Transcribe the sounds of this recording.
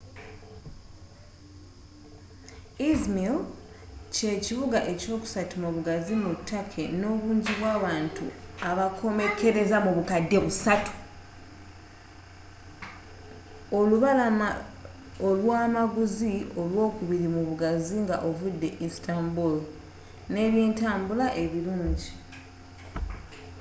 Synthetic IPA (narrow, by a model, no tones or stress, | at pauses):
izmil | ce̞ːciβuɡaʔe̞co̞ːku̥satumuβuɡazimutʰːakʰe̞no̞ːβuːɲɟiβwaːβaːntṵaβakʰo̞me̞ke̞ɾe̞zamuβukadːe̞βusatu̥ | oluβala | olwaːmaɡuzio̞lwo̞ːkuβiɾimuβuɡaziŋɡa̰ʔo̞vudːe̞ʔistaːmbul | ne̞ːβjeːntaːmbulaʔe̞βiɾuːɲɟi